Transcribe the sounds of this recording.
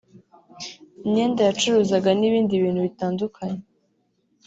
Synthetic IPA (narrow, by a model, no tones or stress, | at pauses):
iɲe̞ːndajat͡ʃuɾuzaɡaniβiːndiβiːn̤̥huβitaːndukʰaɲe